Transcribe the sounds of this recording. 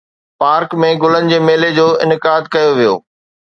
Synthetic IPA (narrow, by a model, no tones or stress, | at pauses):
paːɾkmẽɡʊlənɪ̆d͡ʑeːmeːled͡ʑoːɪ̰nɪkaːd̪kɐjoʋijo̰ː